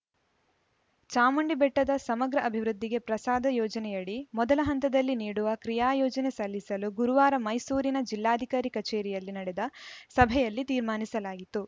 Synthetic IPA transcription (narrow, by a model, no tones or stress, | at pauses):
t͡ʃaːmɐɳɖibɛʈːɐd̪ɐsɐmɐɡɾɐʔɐbʱiʋɾud̪ːiɡe̞pɾɐsaːd̪ʱɐjɔːd͡ʒɐnɛjɐɽimɔd̪ɐlɐɦɐnt̪ɐd̪ɐlːiniːɽuʋɐkɾijaːjɔːd͡ʒɐnesɐlːisɐluɡuɾuʋaːɾɐmɐjsuːɾinɐd͡ʒilːaːd̪ʱikaːɾikɐt͡ʃeːɾijɐlːinɐɽɛd̪ɐsɐbʱɛjɐlːit̪iːɾmaːnisɐlaːɡit̪ːu